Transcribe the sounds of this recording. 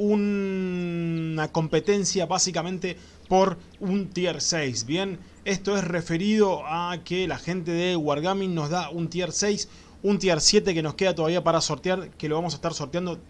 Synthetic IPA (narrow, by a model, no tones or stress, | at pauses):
un | ako̞mpe̞t̪e̞nsjaβasikamẽnt̪e̞ | po̞ɾ | unt̪ieɾsejsβje̞n | e̞st̪o̞esrefe̞ɾiðo̞akelaxe̞nt̪̬eðeɣwaɾɣamĩnnːo̞zðaunt̪jeɾsejs | unt̪jeɾsje̞t̪̬eke̞no̞ske̞ð̞at̪o̞ðaβiapaɾaso̞ɾt̪eaɾkeloβamos̬aest̪aɾsoɾt̪jand̪o